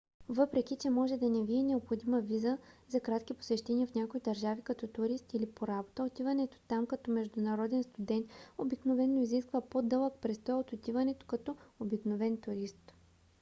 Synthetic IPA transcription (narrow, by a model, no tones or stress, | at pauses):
vɤpɾɛk̟ʲit͡ʃɛmɔʒɛd̪ɐnɛviɛnɛopxod̪imɐvizəzɐkɾat̪k̟ipo̥sɛʃt̪ɛniɐfnʲakoid̪ɐɾʒavikɐt̪ɔt̪ʊɾist̪ilipoɾabot̪əot̪ivɐnɛt̪o̥t̪amkɐt̪ɔmɛʒd̪ʊnɐɾɔd̪ɛnst̪ʊd̪ɛnt̪obiknovɛnːoiziskvɐpod̪ɤlˠəkpɾɛst̪ɔjot̪ot̪ivɐnɛt̪o̥kɐt̪ɔobiknovɛnt̪ʊɾist̪